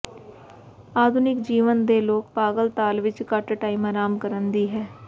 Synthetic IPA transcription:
aːd̪ʱʊnɪkd͡ʒiːʋənd̪eloːk̚paːɡəlt̪aːlʋɪt͡ʃkaʈʈaːɪmaːɾaːmkəɾənd̪iɦɛː

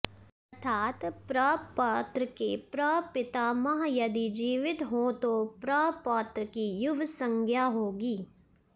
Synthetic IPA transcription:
ɐɾt̪ʰaːt̪pɾəpət̪ɾəkepɾəpɪt̪amɐɦjɐd̪id͡ʒiːʋɪt̪ɦõt̪opɾəpəːt̪ɾəkijʊʋsə̃ŋɡʱjaːɦoːɡiː

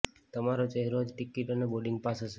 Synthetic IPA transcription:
t̪əmaɾot͡ʃəɦeɾod͡ʒʈikːiʈəneboɖiŋɡ̚pasəʃe

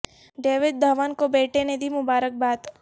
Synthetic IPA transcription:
ɖeːʋɪd̪̚d̪ʱɐʋaːnkobeːʈened̪ʱimʊbaːɾək̚baːt̪

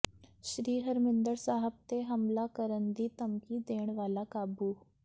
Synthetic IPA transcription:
ʃɾiːɦəɾmɪ̃nd̪əɾsaːɦəb̚t̪eɦɐmlakəɾənd̪it̪əmkid̪eːɽ̃ʋaːlakaːbu

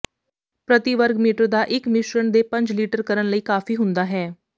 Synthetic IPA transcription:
pɾət̪iʋəɾɡmiːʈəɾd̪aːʔɪkmɪʃɾənd̪epə̃ɲd͡ʒliːʈəɾkəɾənləiːkaːfiːɦʊ̃nd̪aːɦɛː

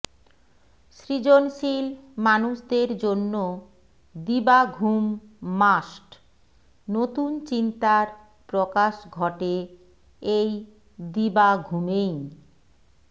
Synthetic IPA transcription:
ʃɾid͡ʑonʃilmanuʃd̪eɾd͡ʑonːo | d̪ibaɡʱumːasʈ | not̪unt͡ɕint̪aɾ | pɾokaʃɡʱɔʈe | ej | d̪ibaɡʱumej

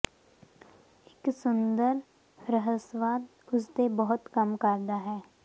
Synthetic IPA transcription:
ɪksʊnd̪əɾ | ɾəɦəsʋaːd̪ | ʊsd̪ebəɦʊt̪kɐmkəɾd̪aɦɛː

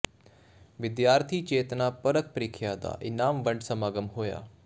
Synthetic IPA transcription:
ʋɪd̪jaːɾt̪ʰiːt͡ʃeːt̪napɐɾək̚pəɾikʰjad̪a̰ːʔɪnaːmʋə̃ɳɖsəmaːɡəmɦoːja̰ː

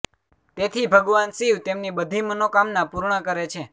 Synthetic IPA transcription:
t̪et̪ʰibʱəɡʋansiʋt̪emnibəd̪ʱimənokamnapuɾɳəkəɾet͡ʃʰe

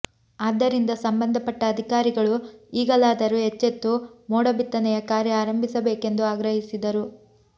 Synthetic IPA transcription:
aːd̪ːɐɾind̪ɐsɐmbɐnd̪ʱɐpɐʈːɐːd̪ʱikaːɾiɡɐɭuiːɡɐlaːd̪ɐɾuɦet͡ʃːet̪ːumɔːɽɐbit̪ːɐnɛjɐkaːɾjɐaːɾɐmbʱisɐbeːke̞nd̪uaːɡɾɐɦisid̪ɐɾu

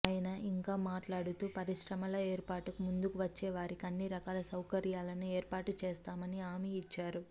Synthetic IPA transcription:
aːjɐnɐʔiŋkaːmaːʈlaːɽut̪uːpɐɾiʂɾɐmɐlɐeːɾpaːʈukumund̪ukuʋɐt͡ʃːeːʋaːɾikiɐnːiɾɐkaːlɐsɐwkɐɾjaːlɐnieːɾpaːʈut͡ʃeːst̪aːmɐniaːmiːt͡ʃːaːɾu

